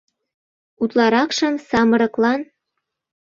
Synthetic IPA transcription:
ut̪lɑɾɑkʃɤmsɑmɤ̆ɾɤ̆klɑn

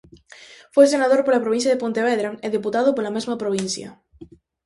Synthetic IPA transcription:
fojsenaðoɾpolapɾoβĩnθjaðepont̪eβɛðɾaeðiput̪aðʊpolamezmɐpɾoβ̞in̟θjɐ̰

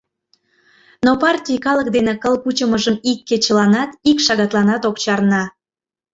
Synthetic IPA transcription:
nopɑrtʲijkɑlək̚d̪enekəlˠkut͡ɕəməʒəmikːet͡ɕə̆lɑnɑt̪ikʃɑɣɑt̪lɑnɑt̪okt͡ɕɑrnɑ

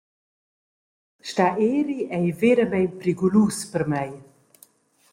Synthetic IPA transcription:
ʃtaʔeːɾiʔɛjveɾəmɛjnpɾiɡuluːspəɾmɛj

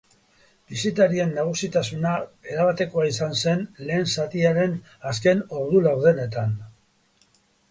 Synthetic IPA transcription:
bisit̪aɾie̞nːaɣ̞usit̪asunae̞ɾaβat̪e̞ko̞aisanse̞nle̞ːnsat̪iaɾe̞n | aske̞no̞ɾðulawðe̞ne̞t̪an

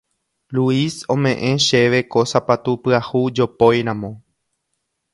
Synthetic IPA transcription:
luisõ̞mẽ̞ʔẽ̞ʃe̞ʋe̞kosapat̪upɨahud͡ʒo̞pojɾãmõ̞

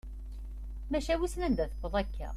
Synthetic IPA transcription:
mæʃæwisnænd̪æθə̥kːoðˤækːæ̰

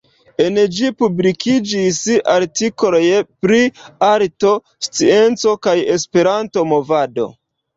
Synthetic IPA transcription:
e̞nd͡ʒipublikʰid͡ʒisaɾtikoojpɾiaɾto̞ | st͡sie̞nt͡so̞kaje̞spe̞ɾanto̞mo̞vado̞̰

